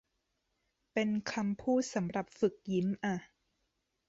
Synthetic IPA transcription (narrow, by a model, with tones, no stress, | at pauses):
pe˧nkʰa˧mpʰuː˥˩t̪̚sa˩˦mɾa˨˩p̚fɯ˨˩k̚ji˦˥mʔa˧˩